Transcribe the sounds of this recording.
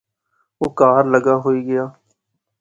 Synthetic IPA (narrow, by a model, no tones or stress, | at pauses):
oːkaːɾləɡaːɦoːiːɡɪjaː